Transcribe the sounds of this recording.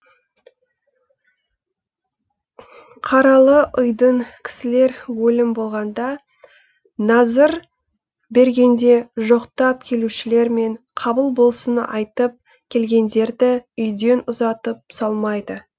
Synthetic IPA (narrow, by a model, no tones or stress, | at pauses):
qʰɑɾɑlˠəʔʊjd̪əɴkʲʰɪ̥sɪle̞ɾwɵlɪmbo̞lˠʁɑnd̪ɑ | nɑzəɾ | be̞ɾɡʲe̞nd̪e̞ʒo̞qt̪ɑp̚kʲʰe̞luʃɪle̞ɾme̞ɴ | qʰɑbəlˠbo̞lˠsənɑ̰jt̪əp̚ | kʲʰe̞lɡʲe̞nd̪e̞ɾd̪ɪʏjd̪e̞nʊzɑt̪əp̚sɑlˠmɑjd̪ə